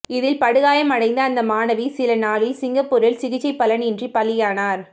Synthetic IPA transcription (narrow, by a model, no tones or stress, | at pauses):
ɪðɪlpɐɽɯɣaːjɐmɐɽɐɪnd̪ɐːnd̪ɐmaːnɐʋisɪlɐnaːlɪlsɪŋɡɐpːʊɾɪlsɪɣɪt͡ʃːɐɪpːɐlɐnɪndripɐlːɪjaːnaːɾ